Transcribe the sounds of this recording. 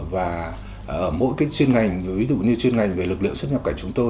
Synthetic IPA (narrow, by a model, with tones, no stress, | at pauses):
vaː˨˩ | ʔəː˧˩mo̰˧˥jkaː˨˦jt͡ɕwi˧ənŋa˨˩jŋ̟vi˨˦zṵ˧˨ɲɨ˧t͡ɕwi˧ənŋa˨˩jŋ̟ve˨˩lɨ˨˩k̚lɨ̰˧˨əŋsə˦˥ɲə˨˩p̚kaː˧˩jt͡ɕʊ˨˦ŋ͡mt̪o˧